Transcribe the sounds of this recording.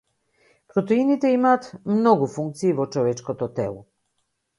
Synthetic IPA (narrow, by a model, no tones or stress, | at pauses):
pɾɔt̪ɛinit̪ɛimaːt̪mnɔɡufuŋk̚t̪siːvɔt͡ʃɔvɛt͡ʃkot̪ɔt̪ɛ̰lˠɔ̰